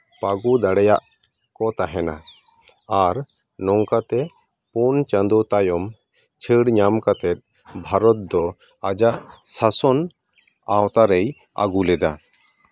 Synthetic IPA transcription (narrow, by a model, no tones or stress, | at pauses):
paɡud̪aɽɛjaʔ | kɔt̪aɦɛna | aɾ | nɔŋkat̪ɛ | punt͡ʃand̪ɔt̪ajɔm | t͡ʃʰəɽɲamkat̪ɛt̪̚ˀ | bʱaɾɔt̪̚d̪ɔ | ad͡ʒaʔsasɔn | awt̪aɾɛj | a̰ɡulɛd̪a